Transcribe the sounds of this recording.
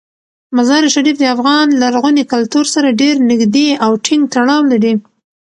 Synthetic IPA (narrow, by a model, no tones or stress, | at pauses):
mazɑɾeʃaɾifd̪əafɣɑnlaɾɣunekalt̪uɾsaɾaɖeɾnɪɡd̪eawʈʰɪŋɡ̚t̪aɽɑwlaɾi